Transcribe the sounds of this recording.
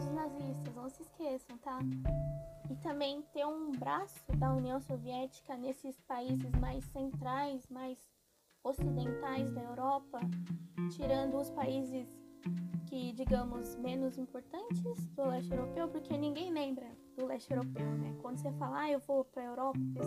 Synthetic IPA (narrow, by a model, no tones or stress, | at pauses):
ʊznazist̪ɐsnɐ̃w̃sɪːskʰesɐ̃w̃t̪a | ɪt̪ɐ̃mbẽj̃t̪ẽj̃ũbɾasʊd̪ɐuniɐ̃w̃soviɛt͡ʃi̥kɐnesɪspaizɪzmajsːẽnt̪ɾajsmajz | osid̪ẽnt̪ajzd̪ɐewɾɔpɐt͡ʃiɾɐ̃nd̪ʊʊspaizɪs | kɪd͡ʒiɡɐ̃mʊzmẽnʊzĩmpoɾt̪ɐ̃nt͡ʃɪzd̪ʊlɛst͡ʃewɾopewpoɾkʰenĩŋɡẽj̃lẽmbɾɐd̪̥ʊlɛʃt͡ʃewɾopewnɛkwɐ̃nd̪ʊs̬efalɐaewvopɾɐewɾɔpɐ